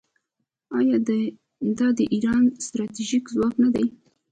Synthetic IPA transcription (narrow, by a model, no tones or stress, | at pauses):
ɑjɑd̪ə | d̪ɑd̪əʔiɾɑnst̪ɾɑt̪iʒikzwɑknad̪aj